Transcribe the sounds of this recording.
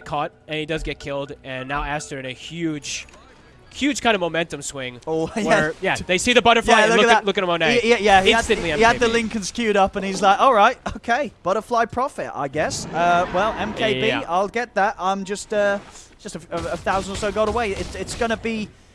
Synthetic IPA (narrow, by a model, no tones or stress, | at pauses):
kʰɔt̚ɨ̃nidʌzɡɛt̚kʰɪlˠdɨ̃nːaʊæstə˞ɨ̃nɨhjʉd̥ʒ̥ | hjʉd̥kʰãɪ̃ndəvmoʊmɛ̃ntɨ̃mswɪ̃ŋojwæjæðeɪsiðɨbʌɾə˞fjlaɪllʊkʊt̚əlʊkɪ̃ŋəmõʊneiijæhiɪ̃əstɨ̃nliɛ̃iəd̪ðəlɪ̃ŋkɨ̃nskʰjʉɾʌpə̃nizlaɪkɔlˠɹaɪt̚oʊkʰeɪb̥ʌɾə˞flaɪpʰɹ̥ɑfɪ̰ta̰ɪɡɛsʌwɛlˠɛ̃mkʰeɪbia̰ɪlˠɡɛt̪̚ðæt̚ãɪ̃md͡ʒʌstʌd̥ʒ̥ʌstəəəθaʊzn̩də˞soʊɡɑɾəweɪɪtɪtsɡ̥ʌñəbi